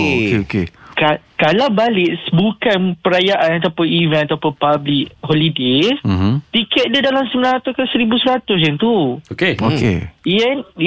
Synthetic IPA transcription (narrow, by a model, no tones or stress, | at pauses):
okeokekakalawbalɪʔsbukanpəɾajaʔanat̪apʊnivɛ̃nat̪awpapablik̚ɦɔlidesmmt̪ikɛt̪̚dədalamsəmənãat̪ukasəɾibusəɾat̪ʊs̬ɛnt̪uokeokḛɛn